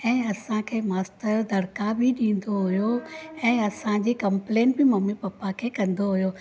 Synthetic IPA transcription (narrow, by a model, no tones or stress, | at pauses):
ɛ̃ːɐsãkʰeːmaːsʈəɾd̪ɐɽkabʱɪɗĩːn̆d̪oɦʊjoɛ̃ːɐsãd͡ʑiːkɐ̃mpleːnʈbɪmɐmːipɐpːakʰeːkɐ̃nd̪oɦʊjo